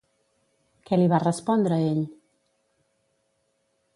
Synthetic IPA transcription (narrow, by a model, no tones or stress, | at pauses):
kɛliβ̞arəspɔnd̪ɾəeʎ